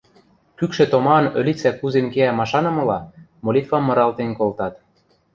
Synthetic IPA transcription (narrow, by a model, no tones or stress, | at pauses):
kykʃĕt̪omɑɤnø̆lʲit͡sækuzenkeæmɑʃɑnɤ̆mɤ̆lɑmolʲit̪fɑmːɤ̆ɾɑlt̪enkolt̪ɑt̪